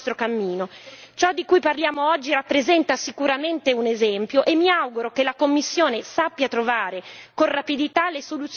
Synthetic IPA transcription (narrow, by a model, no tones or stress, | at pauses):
t̪ɾokamːiːnot͡ʃɔd̪ːikujparljaːmoɔd͡ʒːiɾapːɾezɛnt̪asikuɾament̪eunezɛmpjoʔemːiawɡuɾokelakomːisːjoːnesapːjat̪ɾovaːɾekonrapid̪it̪alːesolut̪s